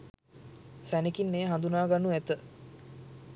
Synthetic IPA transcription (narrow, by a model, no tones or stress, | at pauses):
sænikinːeːɦand̪unaːɡanuæt̪ə